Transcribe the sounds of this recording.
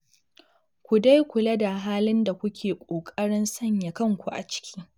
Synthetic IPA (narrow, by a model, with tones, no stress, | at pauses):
kʷu˨da˦jkʷʊ˨lɐ˦da˨ɦaː˦lɪ˦nda˨kʷʊ˦kʲʰeː˨kʷʼoː˨kʼɐ˦ɽɪ˦nsɐ˦˨ɲja˨kɐ˦ŋkʷu˨ʔa̰˨t͡ʃɪ̥˦kʲi̥ː˦